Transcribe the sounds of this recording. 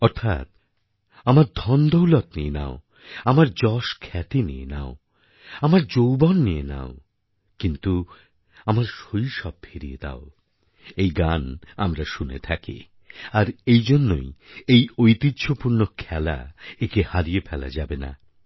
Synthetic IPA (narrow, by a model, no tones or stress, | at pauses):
ɔɾt̪ʰa̰t̪ | amaɾd̪ʱɔnd̪owlɔt̪niena̰o | amaɾd͡ʑɔʃkʰɛt̪iniḛnao | amaɾd͡ʑowbɔnːiena̰o | kint̪u | amaɾʃojʃɔb̚feɾijḛd̪a̰o | ejɡana̰mɾaʃunḛt̪ʰakḭ | aɾejd͡ʑonːo̰jejojt̪it̪ːɕʰopuɾnokʰɛla̰ekehaɾiepʰɛla̰d͡ʑabena̰